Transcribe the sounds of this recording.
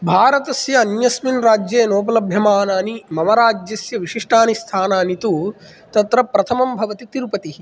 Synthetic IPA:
bʱaːɾɐt̪ɐsjɐːnjɐsminɾaːd͡ʒjeːnoːp̬ɐlɐbʱjɐmaːnaːnimɐmɐɾaːd͡ʒjɐsjɐʋiʂiʂʈʰaːnist̪ʰaːnaːnit̪u | t̪ɐt̪ɾɐpɾɐt̪ʰɐmɐmbʱɐʋɐt̪it̪iɾupɐt̪i

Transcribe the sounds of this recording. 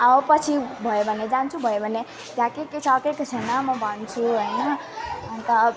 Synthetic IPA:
ʌpʌt͡sʰibʱʌjebʱʌned͡zant͡sʰubʱʌjebʱʌne | t̪jãkeket͡sʰakeket͡sʰʌnʌmʌbʱʌnt͡sʰuɦojnʌ | t̪ʌ

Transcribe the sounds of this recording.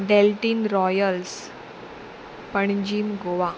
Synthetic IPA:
ɖelʈiːnɾɔjəls | pəɳd͡ʑiːmɡoʋa

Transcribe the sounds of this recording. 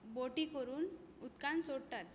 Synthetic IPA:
boʈikɔɾuːn | ut̪kant͡soɽʈat̪̚

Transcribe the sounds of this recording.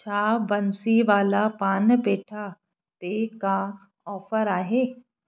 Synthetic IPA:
t͡ɕʰaːbɐnsiʋaːlapaːnbeːʈʰa | t̪eːka | ɔːfəɾaːɦeː

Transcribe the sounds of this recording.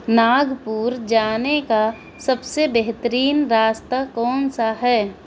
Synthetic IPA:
naːɡpuːɾd͡ʒaːneka | səbsebeɦt̪əɾiːnɾaːst̪akɔːnsaɦɛː

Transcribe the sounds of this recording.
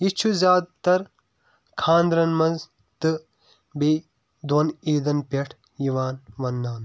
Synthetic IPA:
it͡ʃʰuzʲaːd̪̚t̪ɐɾ | kʰãːnd̪ɾɐnmɐ̃z | t̪ɨ | be | d̪wɐniːd̪ɐnpʲeʈʰ | jiʋaːnʋɐnːaːn

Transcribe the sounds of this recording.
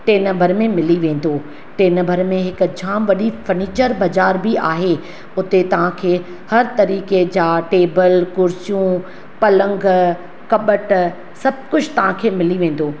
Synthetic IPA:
ʈeːnɐbʱəɾmẽmɪliʋẽːn̆d̪oː | ʈeːnɐ̃bʱəɾmẽɦɪk̆d͡ʑʱaːmʋɐɗifɐɾniːt͡ɕəɾbɐzaːɾbɪʔa̰ːɦe | ʊt̪et̪ɐʋ̤ãkʰeː | hɐɾt̪ɐɾiːked͡ʑaːʈeːbəlkʊɾsijũ | pɐlə̃ŋɡ | kɐɓəʈ | sɐb̚kʊd͡ʑʰt̪ɐʋ̤ãkʰeːmɪliʋẽːn̆d̪oː

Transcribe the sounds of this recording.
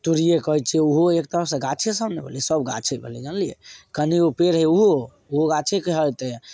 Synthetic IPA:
t̪uɾijekəɦit͡ʃʰɛuɦoekt̪əɾəfsẽɡat͡ʃʰesəbnebʱḛlisəbɡa̰t͡ʃʰebʱḛlɛd͡ʒənlijḛkəniopeɾɦɛuɦoo | uɦoɡat͡ʃʰekeɦət̪e

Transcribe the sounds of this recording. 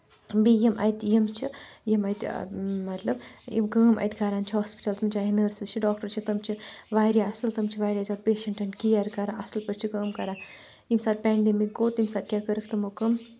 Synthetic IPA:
bijemʔɐ̰jt̪ʲjemt͡ʃʰijemɐjt̪ʲmɐt̪lɐbḭmkəːmʔɐ̰jt̪ɡaɾaːnt͡ʃʰiɦaːspi̥ʈɐlt̪ɐmt͡ʃʰaːɦinəɾsɨzt͡ʃʰiɖɔːk̚ʈɐɾt͡ʃʰit̪ɐmt͡ʃʰiʋaːɾjaɐsɨlt̪ɐmt͡ʃʰiʋaːɾʲjaːzaːd̪̚peːʃɐɳʈɐnkiːaɾkɐɾaʔɐslpɐɾt͡ʃʰikəːmkɐɾaː | imsaːd̪̚pʲɛːɳɖemikːoːt̪imsaːt̪̚kʲjaːkəɾəkʰt̪ɨmokəm

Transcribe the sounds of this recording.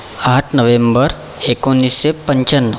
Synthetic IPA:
aɦaʈʰnəʋẽmbəɾ | ekonːisːepəɲt͡ɕənːə

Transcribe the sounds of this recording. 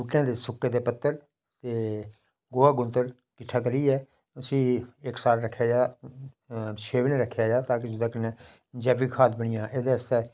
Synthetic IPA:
uːʈjãːd̪eːsʊkːeːd̪eːpət̪ːəɾ | t̪eː | ɡoːaːɡʊnt̪əɾ | kɪʈʰaːk̬əɾiːɛː | ʊsĩːɪksaːɾɾəkʰːejaːjaː | ʃeːʋneːɾəkʰːjaːjaːt̪aːk̬ɪd͡ʒʊd̪ãːkənɛ̃ː | d͡ʒɛːbiːkʰaːd̪̚bəɽ̃ɪjãːʔeːd̪eːəst̪eː

